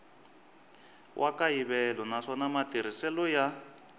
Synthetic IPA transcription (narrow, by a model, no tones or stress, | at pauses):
wʔakaiβɛlɔnaʂɔnamatiɾ̤isɛlɔja